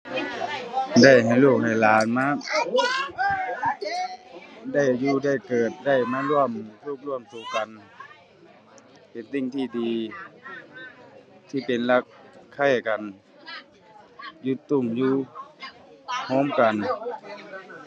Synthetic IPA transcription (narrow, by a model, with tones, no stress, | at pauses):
da˧˩jha˨˩jluː˧˩k̚ha˨˩jlaː˨˦nmaː˧˥˨ | da˧˩jjuː˧da˧˩jkɤː˨˩t̪̚da˧˩jmaː˧˥˨lu˧˥˩əmt̪ʰu˧˥˩k̚lu˧˥˩əmsuː˨˩ka˨n | pe˨nt̪i˧˩˨ŋt̪ʰiː˧˩diː˨ | t̪ʰiː˧˩pe˨nla˧˥k̚ʰːa˧˩jka˨n | ju˧t̪ːu˧˩˨mjuː˧ | hɔː˧˥˨mka˨n